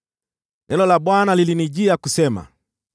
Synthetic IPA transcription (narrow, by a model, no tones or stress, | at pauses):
nʔɛlɔlaɓwanaliliniʄiakusɛma̰